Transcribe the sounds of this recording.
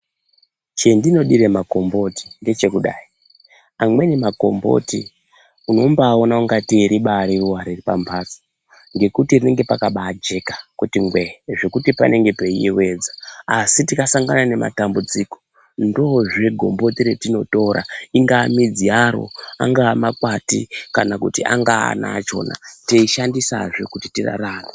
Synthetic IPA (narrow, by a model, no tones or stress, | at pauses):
t͡ʃendino̞ɗiɾemako̞mbo̞ti̥nde̞t͡ʃe̞kuɗaːi | amwe̞nemako̞mbo̞̰ti | uno̞mbaːo̞nauŋɡatiɾiɓaɾiruwaɾiripambʰʱaːsḁ | ŋɡe̞kutirine̞ŋɡe̞pakaɓad͡ʒe̞kḁkutiŋɡweʐe̞kutipa̰ne̞ŋɡe̞peiewe̞d͡zaːsitikasaŋɡanane̞ma̰tambud͡ziko̞̥ | ndo̞ʐeɡʱo̞mbotiɾetino̞to̞ɾa̰iŋɡaːmid͡ziaɾo̞̰a̰ŋɡaːmakwatḭkanakutia̰ŋɡa̰ːna̰t͡ʃo̞̰ːna̰teiʃandisa̰ʐo̞kuti̥tira̰raːre